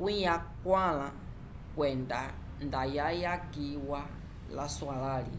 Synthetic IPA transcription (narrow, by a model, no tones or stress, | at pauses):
ujakwala | kwɛnda | ndajajakiwa | laswalalḭ